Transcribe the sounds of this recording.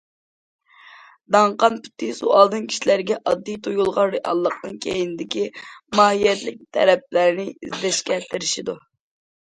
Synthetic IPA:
d̪ɑɴqɑnpy̥t̪ʰɪsṵɑlˠd̪ɨnkʲʰi̥ʃilæɾɡʲɛʔɑd̪ːijt̪ʰojulˠʁɑnɾeʔɑ̰lˠːəqnɨŋkʲʰejinɪd̪ɪkʲimɑːhijɛt̪lɪk̚ʲt̪ʰɛ̰ɾɛp̚læɾɪnɪizd̪ɛʃkʲɛt̪ʰɪɾɪʃid̪u

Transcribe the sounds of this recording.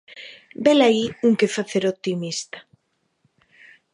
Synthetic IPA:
belaiuŋkefaθeɾot̪imist̪ḁ

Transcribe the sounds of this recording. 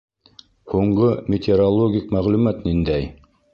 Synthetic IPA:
huɴɢɤmʲɪt̪ʲɪɾolˠoɡʲikmæʁlʉmæt̪nind̪æj

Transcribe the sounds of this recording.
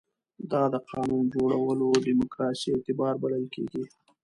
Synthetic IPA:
d̪ɑd̪əqɑnund͡ʒoɽawəloɖimʊkɾɑsiet̪ɪbɑɾbaləlkḛɡi

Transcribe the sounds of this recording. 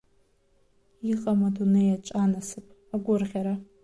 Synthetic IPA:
jiʁʼɐmɐdunejat͡ʃʼaːnɐsɨpʼ | aɡʷʊrʁʲaɾa

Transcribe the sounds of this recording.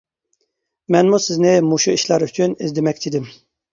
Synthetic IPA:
mɛnmusiznɛmuʃuiʃlaɾyt͡ʃʰynizd̪emɛk̚ʲt͡ʃ̪ʰid̪im

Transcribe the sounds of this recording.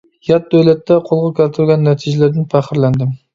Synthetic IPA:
jɑt̪̚d̪øwlɛt̪ːɛqʰolˠʁɑkʲælt̪ʰɪɾɡʲɛnːɛt̪ʰiʒɛlæɾd̪ɪnpʰæχəɾlɛnd̪ɪm

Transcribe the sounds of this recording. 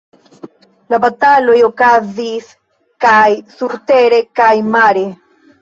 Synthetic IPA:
labatalo̞jo̞kazis | kajsuɾteɾe̞kajmaɾe

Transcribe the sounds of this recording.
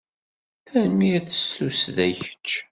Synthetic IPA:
θæmiæθə̥sθusðæçə̥t͡ʃː

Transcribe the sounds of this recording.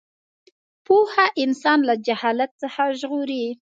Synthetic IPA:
pohaʔɪnsɑnlad͡ʒahɑlat̪̚t͡səxaʒɣoɾi

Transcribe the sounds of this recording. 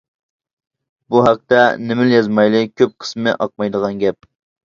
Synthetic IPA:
buɦæq̚t̪ɛnɪmɪljɑzmɑjlˠɨkʲʰøp̚qʰə̥smɨʔɑq̚mɑjd̪əʁɑnɡʲɛp̚

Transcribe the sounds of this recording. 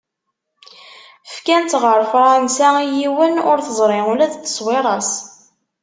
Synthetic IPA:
fkænt̪ʁəɾfɾˤɑnsæijiwənʊɾθəzˤɾˤɪʊlæðt̪ːə̥sˤwɪɾˤɑs

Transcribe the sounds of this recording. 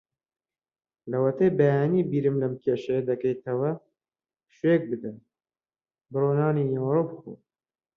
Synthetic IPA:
lɐwɐt̪ebɐjaːniːbiːɾɨmlɐmkʰeːʃɐjɐd̪ɐkɛjt̪ʰɐwɐ | ʃeːk̚bɨd̪ɐ | bɨroːnɑːniːjaːɾupxṵ

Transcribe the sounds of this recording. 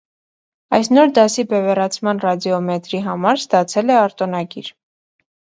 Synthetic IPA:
ɑjsnɔɾd̪ɑsibɛvɛrɑt͡sʰmɑnrɑd̪iɔmɛt̪ɾiɦɑmɑɾst̪ɑt͡sʰɛlɛɑɾt̪ɔnɑɡiɾ

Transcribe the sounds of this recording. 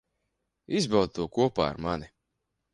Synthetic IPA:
izbawd̪t̪uɔkuɔpa̰ːa̰ɾmani

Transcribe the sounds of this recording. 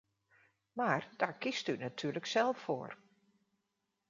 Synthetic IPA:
maːrd̥aːɹkistynatʰyːɹləksɛlˠfo̰ːr

